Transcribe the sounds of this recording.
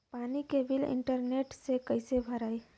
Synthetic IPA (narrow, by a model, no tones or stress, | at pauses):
paːnikebɪlɪ̰̃ɳʈəɾneːʈsekɐɪsebʱɐɾaːeː